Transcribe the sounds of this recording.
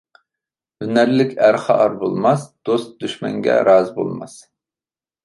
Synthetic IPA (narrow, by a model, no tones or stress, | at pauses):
ynæɾlɪkʲæɾχɑʔɑɾbolˠmɑsd̪̥ost̪̚d̪yʃmɛ̰ŋɡʲɛ̰ɾɑːzbo̰lˠmɑ̰s